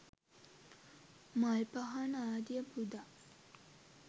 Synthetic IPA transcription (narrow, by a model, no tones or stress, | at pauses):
malpaɦanaːd̪jəpud̪a